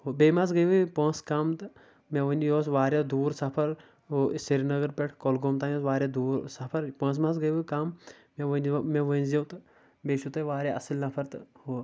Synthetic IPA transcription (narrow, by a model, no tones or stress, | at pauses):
ɦobeːmaːsɡəjʋupə̃ːskamt̪ɨ | mẽʋənʲjoːsʋaːɾjad̪uːɾsɐpʰɐɾ | osiɾnɐɡɐɾpʲeʈʰkolɡomt̪aːjoːsʋaːɾʲjaːd̪uːɾsɐpʰɐɾpə̃ːs̬maːs̬ɡəjʋəkaːmmeʋənʲmẽʋənʲzjɐːt̪ɨ | beːʃut̪ɐʋaːɾʲjaːʔɐsəlnɐpʰɐɾt̪ɨho